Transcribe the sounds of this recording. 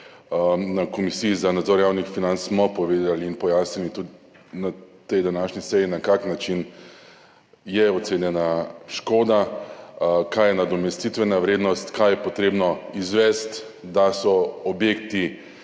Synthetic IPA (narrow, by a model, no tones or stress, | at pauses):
nakɔmisijizanad̪zɔɾjawnixfinant̪ssmɔpɔʋeːd̪aliːnpɔjasnilit̪ud̪ | nat̪ɛjd̪anaʃnisɛjinakaknat͡ʃin | jɛɔt̪senjɛnaʃkoːd̪a | kajɛnad̪ɔmɛst̪it̪ʋɛnaʋɾeːd̪nɔst̪kajɛpɔt̪ɾeːbnɔizʋɛst̪d̪asɔɔbjekt̪i